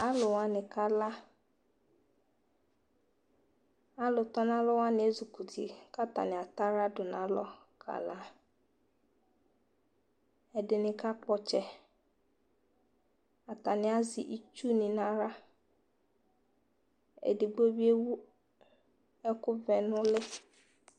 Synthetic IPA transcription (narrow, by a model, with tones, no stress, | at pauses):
a˦lʊ˨wa˨nɪ̃˨ka˨la˦ | a˦lʊ˨tɔ˦nã˦lɔ˦wa˦nɪ̃˨e˦zu˨ku˨tʰḭ˨ka˦ta̰˨nɪ̃˨a˨ta˦ɾa˦dʊ˨nã˨lɔ˦ | kʰa̰˨la˦ | ɛ˨dɪ˨nɪ̃˨ka˦k͡pɔ˨t͡ʃɛ˨ | a˨ta˨nɪ̃˨a˦zɪ̰˨ʔi˦t͡ʃu˦nɪ̃˨na˨ɾa˦ | ḛ˨dɪ˨ɡ͡bo˦bi˦e˦wu˦ | ɛ˦kʊ˦vɛ˨nʊ̃˦lɪ˦